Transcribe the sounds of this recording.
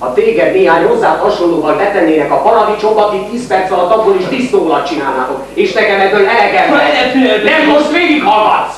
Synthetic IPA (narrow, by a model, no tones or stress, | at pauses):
ɒt̪eːɡɛd̪neːɦaːɲho̞zːaːt̪hɒʃonloːvɒllɛt̪ɛnːeːnɛkɒpɒɾɒd̪it͡ʃombɒkit̪iːspɛrt̪sʋɛlɒt̪ɒɡːoɾiʃt̪iːst̪oːlɒt̪t͡ʃinaːlna̰ːt̪okeːʃt̪ɛɡɛmɛd̪oɛlɛɡɛmɛt̪ɛmmoʃt̪ʋeːɡikhɒlɒ̰t̪ː